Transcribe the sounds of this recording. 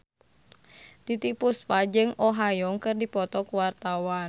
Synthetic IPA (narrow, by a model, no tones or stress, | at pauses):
t̪it̪ipuspad͡ʒɨŋʔɔɦajɔŋkɨrdipɔt̪ɔkuwart̪awa